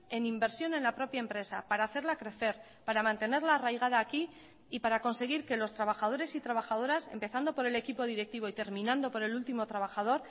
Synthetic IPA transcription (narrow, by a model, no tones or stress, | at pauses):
e̞nimbe̞ɾsjo̞nẽ̞nlapɾo̞pjaempɾe̞sa̰paɾaːθe̞ɾlakɾe̞θe̞ɾ | paɾamãnt̪e̞ne̞ɾlaːrajɣ̞að̞aːki | ipaɾako̞nse̞ɣ̞iɾke̞lo̞st̪ɾaβ̞axað̞o̞ɾe̞sit̪ɾaβaxaðo̞ɾase̞̰mpe̞θand̪o̞po̞ɾe̞le̞kipo̞ð̞iɾe̞k̚t̪iβ̞o̞it̪e̞ɾmĩnãnd̪o̞po̞ɾe̞lult̪imo̞t̪ɾaβ̞axað̞o̞ɾ